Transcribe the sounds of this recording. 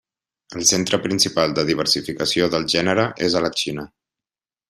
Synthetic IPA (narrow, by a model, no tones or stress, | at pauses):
əlˠsent̪ɾəpɾinsipalˠd̪əðiβ̞əɾsifikəsioðəlˠʒɛnəɾəʔezələt͡ʃinə